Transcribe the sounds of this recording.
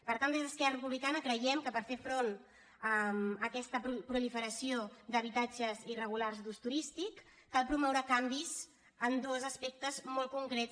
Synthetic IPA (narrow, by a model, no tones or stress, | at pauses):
pəɾt̪and̪ezðəskɛrərəpuβlikanəkɾəjɛmkəpəɾfeɾfɾon | əməkɛst̪əpɾupɾulifəɾəsiod̪əβit̪ad͡ʒəzirəɣ̞ularzd̪ust̪uɾist̪ikː | alˠpɾumɔwɾəkambiz | ənd̪ozəspɛk̚t̪əzmɔlˠt̪kuŋkɾɛt͡s